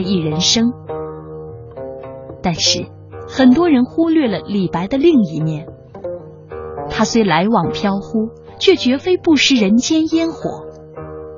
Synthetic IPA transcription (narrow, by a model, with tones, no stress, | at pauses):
ɪi˥˩ɻə˧˥nʂɤ˥ŋ | t̪a˥˧nʂɻ̩˥˩ | xə˨˩nt̪wɔ˥ɻə˧˥nxu˥lɥɛ˥˩lə˩li˨˩pa˧˥ɪd̪ə˧li˥˩ŋi˧˥mjɛ˥˩n | t̪ʰa˥swe˥˩ɪla˧˥ɪwɑ˨˩ŋpʰjɑ˥ʊxu˥ | t͡ɕʰɥɛ˥˩t͡ɕɥɛ˧˥fe˥ɪpu˥˩ʂɻ̩˥ɻə˧˥nt͡ɕjɛ˥njɛ˥nxwɔ̰˨˩˦